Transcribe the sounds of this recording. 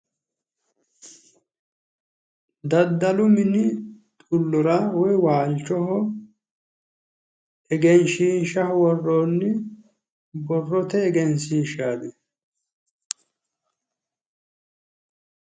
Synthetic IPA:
d̪ɐd̪ːɐlʊmɪnɪ | t̪ʼʊlːɔɾɐwɔjwaːlt͡ʃːɔɦɔ | ɛɡɛnʃiːnʃɐhwɔrːoːnːɪ | bɔrːɔt̪ɛːɡɛnsiːʃaːd̪ɛ

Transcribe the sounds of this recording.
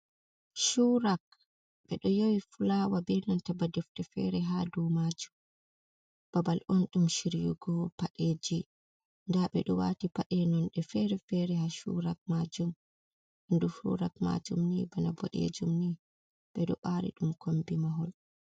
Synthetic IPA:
ʃuɾak̚ | ɓɛɗɔjowifulawabiɾnantabadɛftɛfɛ̰ɾɛɦaduːmad͡ʒum | b̥abalʔɔnɗumʃiɾjṵɡɔpaɗeːd͡ʒi | ndaɓɛɗɔwa̰tipaɗɛnɔnɗɛfɛɾɛfɛɾɛhaʃṵɾak̚mad͡ʒum | ʔandufṵɾa̰kma̰d͡ʒumnibanabɔ̰ɗḛd͡ʒumni | ɓɛɗɔ̰ɓaɾḭɗumkʰombimaɦɔl

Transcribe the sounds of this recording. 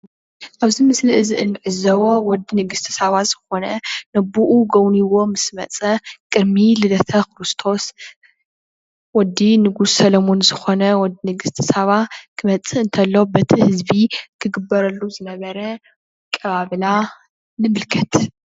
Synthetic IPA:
ʔaβzimɨsliʔɨziʔɨnːɨʕɨzɐwowɔd̪inɨɡɨst̪ʰɨ̥sɐβaz̥ɨxo̞nɐnɐbuʔuɡɐwniwo̞mɨsmɐt͡sʼɐkʼɨɾmilɨlɐt̪ʰɐkɨɾɨst̪ʰo̞s | wɔd̪inɨɡussɐlɐmo̞nzɨxonɐwɔd̪inɨɡɨst̪ʰɨ̥sɐβakʰɨmɐt͡sʼɨɨnt̪ʰɐlːobɐt̪ʰihɨzbikʰɨɡɨbːɐɾɐlːuzɨnɐβɐɾɐ | kʼɐβaβɨla | nɨmɨlkʰɐt̪

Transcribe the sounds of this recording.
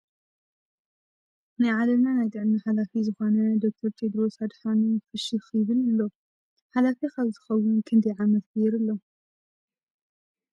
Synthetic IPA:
najʕalɐβnanajt̪ɨʕniħalafizɨxo̞nɐd̪o̞k̚t̪ʰɐɾt̪ʰed̪ɾo̞sad̪ħanufɨʃɨxjɪβɨlɨlːo̞ | ħalafixaβzʰɨ̥xɐwːʊnkʰɨnd̪ijʕamɐt̪kɨjɛɾɨlːo̞

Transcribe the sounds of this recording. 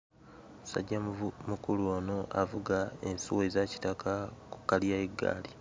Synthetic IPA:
usa̰ɟːamukuluo̞ːno̞ʔavuɡae̞nsuwezaci̥takʰaku̥kaljaeɡːa̰ːli

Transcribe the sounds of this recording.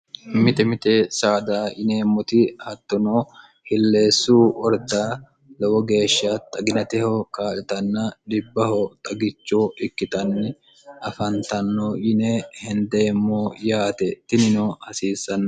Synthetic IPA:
mɪt̪ɛmɪt̪ʼesaːd̪aːʔɪneːmːɔt̪ɪhɐt̪ːɔnoː | hɪlːe̞ːsːuːʔɔɾd̪aː | lɔwɔɡe̞ːʃːɐt̪ʼɐɡɪnɐt̪ɛhɔkaːlɪt̪ɐnːɐd̪ɪbːɐhɔt̪ʼɐɡɪt͡ʃːoːʔɪkːɪt̪ɐnːɪ | ʔɐfɐnt̪ɐnːoːʔɪnehɛnd̪eːmːoːjaːt̪ɛt̪ːɪnɪnoːhɐsiːsːɐnːɐ

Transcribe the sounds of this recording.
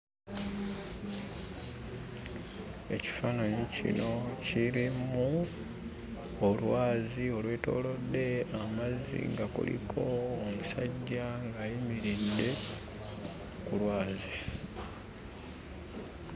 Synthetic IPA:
e̞̰ci̥faːnaɲicḭno̞ciɾimu | olwaːzio̞lwe̞ːto̞̰ːlo̞dːe̞amazːḭŋɡakṵlḭkʰo̞ːmusaɟːaŋɡajimiɾidːe̞ | kulwaːzi

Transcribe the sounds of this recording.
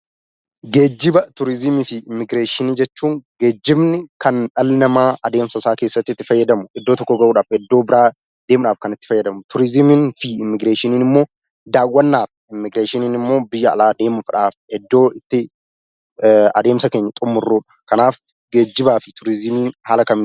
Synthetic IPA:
ɡe̞ːd͡ʒːɪbɐt̪ʊɾɪzɪmɪfɪɪmːɪɡɾeːʃɪniːd͡ʒɛt͡ʃːuːŋɡe̞ːd͡ʒːɪbnɪkʰɐnᶑɐlnɐmaːɐd̪e̞ːmsɐsaːke̞ːsːɐt̪ːɪt̪ːɪfɐjːɐd̪ɐmʊʔɛd̪ːoːt̪ɔkːɔɡɐʔuːᶑaːfɛd̪ːo̞ːbɪɾaː | d̪̥eːmʊᶑaːfkɐnɪt̪ːɪ̥fɐjːɐd̪ɐmʊt̪ʊɾɪzɪmɪnfiɪmːɪɡɾeːʃɪniːnɪmːo̞ː | d̪aːwːɐnːaːf | ɪmːɪɡɾeːʃɪniːnɪmːo̞ːbɪjːɐɐ̰laːd̪e̞ːmʊfᶑaːfɛd̪ːo̞ːɪt̪ːɪ | ɐ̰d̪e̞ːmsɐke̞ːɲːɐt̪ʼʊmːʊrːuːᶑɐ̥kɐnaːf | ɡe̞ːd͡ʒːɪbaːfɪt̪ʊɾɪzɪmiːnhaːlɐkɐmn

